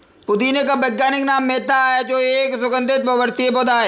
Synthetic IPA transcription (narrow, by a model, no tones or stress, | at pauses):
pʊd̪iːnekabɛɡːaːnɪknaːmːeːt̪aɦed͡ʒoːeːksʊkə̃nd̪ɪt̪̚pɐʋəɾt̪iebod̪aːɦɛː